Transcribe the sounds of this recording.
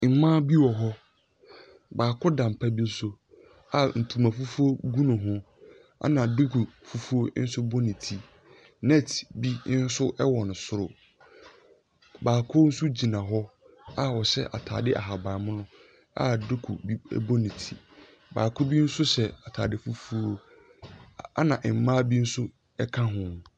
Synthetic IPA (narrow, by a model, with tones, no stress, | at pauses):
ŋ̩˨mãː˦bi˦wɔ˨ɦɔ˦ | baː˨kʰʊ˦dã˨m̩˨pʰa˦bi˦n̩˦so˦ | a˦˨n̩˨tʰu˨mã˨fu˦fu˦o˦ɡu˦nʊ̃˨ɦʊ̃˦ | a̰˨nã˨dʊ˦kʰu˨fu˦fu˦o˦ɪ̰˦n̩˦sʊ˦bo˦nĩ˨tʰi˦ | nɛ˦tʰbi˦n̩˦sʊ˦ʔɛ˦wɔ˨nʊ̃˨sʊ˦ɾʊ˨ | baː˨kʰʊ˦n̩˦su˦d͡ʑi˨nã˨ɦɔ˦ | a˦wɔ˨ɕɛ̰˦ʔa̰˨tʰa̰ː˨dɪ˦ʔa̰˨ɦa˨ba˨mʊ̃˦nʊ̃˦ | a̰˦dʊ˦kʰṵ˨bḭ˦bo˦nĩ˨tʰḭ˨ | ba̰ː˨kʰʊ˦bi˦n̩˦sʊ˦ɕɛ˨a˨tʰaː˨dɪ˨fu˦fu˦o˦˨ | a̰˦nã˨ʔɪ˨m̩˨mãː˦bi˦n̩˦sʊ˦ | ɛ˦kʰã˦ɦʊ̃˨n˨